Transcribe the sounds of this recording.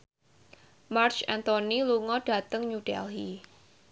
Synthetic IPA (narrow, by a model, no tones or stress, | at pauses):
mart͡ʃant̪oniluŋɔd̥a̤t̪əŋɲud̥ɛ̰lɦi